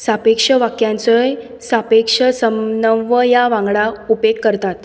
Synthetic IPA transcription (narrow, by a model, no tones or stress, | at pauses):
sapekʂəʋakjãnt͡səj | sapekʂəsənəəjaʋãŋɡɭaupekːəɾt̪at̪